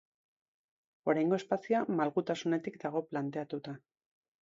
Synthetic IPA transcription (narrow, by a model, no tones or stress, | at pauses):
o̞ɾajŋɡo̞e̞spasiamalɣut̪asune̞t̪ikd̪aɣ̞o̞plant̪e̞at̪ut̪a